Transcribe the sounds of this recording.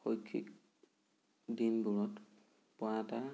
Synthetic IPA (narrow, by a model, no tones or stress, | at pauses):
xojkʰːḭk̚ | dinbuɹɔt | pɔata